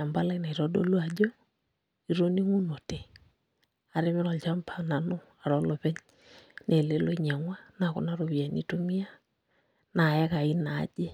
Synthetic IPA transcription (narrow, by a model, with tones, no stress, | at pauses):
a˨mba˦la˦ina˨i˨ɾɔ˦do̰˦lwa˨d͡ʒo˦ | i˨ɾo˦ni˦ŋu˦no˨te˨ | a˨ɾe˦mɪ˦ɾɔ˨lt͡ʃa˦mpʰa˨na˨nʊ˦ | a˨ɾɔ˦lo˨pɛ˦ɲ | ne˨le˦lo˦ɲa˨ŋwa˦na˨kʊ̰˨na˦ɾo˨βa˨ni˦to˦mi˦a˦ | na˨ɛ˦ka˨i˦na̰ː˨˦d͡ʒe˦